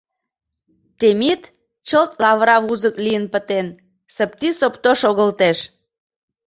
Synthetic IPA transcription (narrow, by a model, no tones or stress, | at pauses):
t̪emit̪ | t͡ɕəlt̪lɑβɾɑβuzəklijənpə̆t̪en | səp̚t̪isopt̪oʃoɣəlt̪eʃ